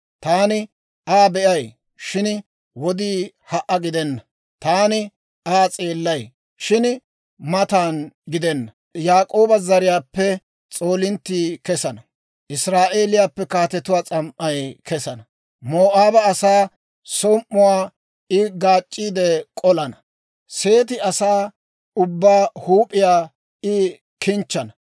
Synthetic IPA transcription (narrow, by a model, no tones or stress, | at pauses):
t̪aːnɪ | aːbɛʔɐj | ʃɪn | wɔd̪iː | hɐʔɐɡɪd̪ɛnːɐ | t̪aːnɪ | aːt͡sʼe̞ːlːɐj | ʃɪn | mɐt̪aːnɡɪd̪ɛnːɐ | jaːkʼo̞ːbɐzɐɾɪjaːpːɛ | t͡sʼo̞ːlɪnt̪ːiːkɛsɐnɐ | ʔɪsɾaːʔeːlɪjaːpːɛkaːt̪ɛt̪ʊwaːt͡sʼɐmʔɐjkɛsɐnɐ | moːʔaːbɐːsaː | sɔmʔːʊwaː | ɪɡaːt͡ʃʼːiːd̪ɛkʼɔlɐnɐ | se̞ːt̪ɪɐsaː | ʊbːaːhuːpʼːɪjaː | ɪ | kɪnt͡ʃːɐnɐ